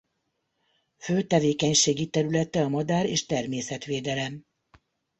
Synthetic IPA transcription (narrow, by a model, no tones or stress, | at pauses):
føːt̪ɛveːkɛɲʃeːɡit̪ɛɾylɛt̪ɛɒmɒd̪aːɾeːʃt̪ɛrmeːsɛt̪ʋeːd̪ɛlɛm